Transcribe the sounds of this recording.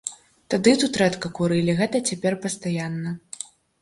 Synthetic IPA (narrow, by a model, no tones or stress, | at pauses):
t̪ad̪ɨt̪ut̪ɾɛt̪kɐkuɾɨlʲiɣɛt̪ɐt͡sʲapʲɛrpɐst̪ajanːɐ